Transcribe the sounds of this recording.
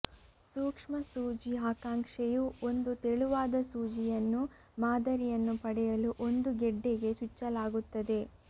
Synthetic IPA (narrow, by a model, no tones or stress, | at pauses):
suːkʂmɐsuːd͡ʒiaːkaːŋkʂejuo̞nd̪ut̪eɭuʋaːd̪ɐsuːd͡ʒijɐnːu | maːd̪ɐɾijɐnːupɐɽɛjɐluʔo̞nd̪uɡɛɖːeɡe̞t͡ʃut͡ʃːɐlaːɡut̪ːɐd̪e̞